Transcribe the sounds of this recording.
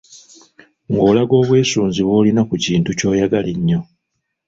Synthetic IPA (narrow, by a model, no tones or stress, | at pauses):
ŋɡo̞ːlaɡo̞ːβwe̞ːsuːnziβwo̞ːlinakuciːntuco̞ːjaɡaliɲːo̞